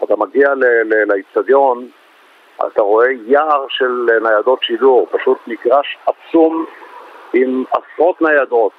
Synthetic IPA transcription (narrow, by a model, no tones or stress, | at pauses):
at̪amaɡialelelait͡sadjo̞n | a̰t̪aʁo̞e̞jaʁʃelnajado̞t̪ʃiduʁpaʃut̪niɡʁaʃat͡sum | imasʁo̞t̪najado̞t̪